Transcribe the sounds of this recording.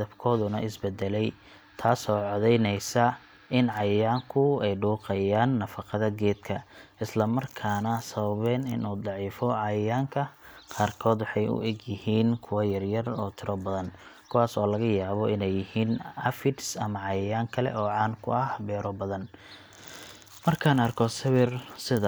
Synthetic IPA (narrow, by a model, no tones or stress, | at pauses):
ðɐbkʰɔːðʊnɐʔɪsbɛd̪ɛlɛj | t̪ʰaːsɔːʕɔðɛjnɛjsɐ | ɪnʕɑjjaːŋkʰʊɛjɖuːqɛjaːnːɐfɑqɑðɐɡɛːd̪kʰɐɪslɐmɐrkʰaːnɐsɐβɐβɛːnɪ̰nuːd̪ˤɑʕiːfɔʕɑjɐjaːŋkʰɐqɑːrkʰɔːd̪wɑħɑjʊ̰ʔɛɡjɪhiːnkʰʊwɑjɐrjɐrɔːt̪ʰɪɾɔbɐðɐnkʰʊwɑːsɔːlɐɣɐjaːβɔʔɪnɛjːɪhiːnɐfɪʈsɐmɐʕɑjɐjaːŋkʰɐlɛ̰ʔɔːʕɑːnkʰʊ̰ʔɐhbɛːɾɔbɐðɐn | mɐrkʰaːnɐrkʰɔsɐβɪrsɪð